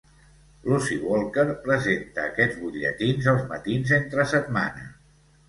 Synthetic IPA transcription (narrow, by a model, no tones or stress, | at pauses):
lusiwɔlˠkəɾpɾəzent̪ə̰ːkɛd͡zβuʎə̰t̪inzəlˠzmə̰t̪inzent̪ɾəsət̪̚ma̰nə